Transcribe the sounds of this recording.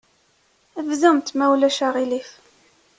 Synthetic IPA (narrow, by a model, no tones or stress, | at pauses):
ævzæmt̪mæwlæʃaʁilif